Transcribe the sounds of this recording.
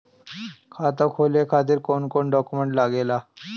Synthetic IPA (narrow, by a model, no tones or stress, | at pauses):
kʰat̪akʰolekʰat̪̬iːɾkonkoɳɖɔkumeɳʈlaɡela